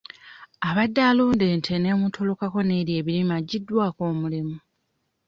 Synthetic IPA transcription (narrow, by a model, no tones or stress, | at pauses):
aβadːaːluːnde̞ːntʰe̞ne̞mutʰo̞lo̞kako̞ne̞ːɾje̞ːβilimaɟidːwaːko̞ːmulimu